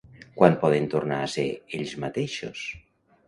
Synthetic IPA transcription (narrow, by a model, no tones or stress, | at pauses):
kwanpɔð̞ent̪oɾnaaseeʎzmat̪eʃos